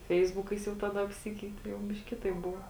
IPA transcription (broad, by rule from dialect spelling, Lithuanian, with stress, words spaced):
ˈfʲɛɪzbʊkɐɪs jɛʊ ˈtɑːˌdɐ ɐpʲˈsʲɪkʲɛɪtʲɪ jɛʊ ˈbʲɪʃʲkʲ ˈkʲɪtɐɪp ˈbʊʋoː